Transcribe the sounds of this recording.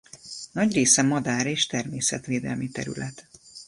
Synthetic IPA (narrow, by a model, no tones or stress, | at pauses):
nɒɟreːsɛmɒd̪aːɾeːʃt̪ɛrmeːsɛt̪ʋeːd̪ɛ̰lmit̪ɛ̰ɾy̰lɛt̪